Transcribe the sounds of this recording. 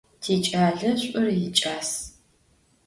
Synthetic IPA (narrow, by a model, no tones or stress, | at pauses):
tʰiːt͡ʃʼaːɮɐɕʷʼʊrjɪt͡ʃʼaːs